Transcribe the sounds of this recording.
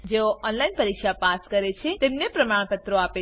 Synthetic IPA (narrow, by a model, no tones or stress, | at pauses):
d͡ʒeoʔɔnlainpəɾikʃapaskəɾet͡ʃʰet̪emnepɾəmaɽ̃pət̪ɾoape